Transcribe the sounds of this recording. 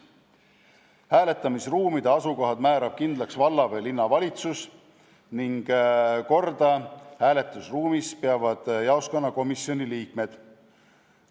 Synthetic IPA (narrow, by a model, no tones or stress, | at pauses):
hæːle̞t̪ːˑɑmisruːmid̪̥eɑsuko̞ɦɑd̪̥mæːɾɑb̥̚kind̪lɑksvɑlːɑvelinːɑvɑlʲit̪sus | niŋɡ̥ko̞rd̪ɑhæːle̞t̪ˑːusruːmispeɑvɑd̪̥jɑoskɑnːɑko̞misːjo̞nʲiliːkme̞d̪̥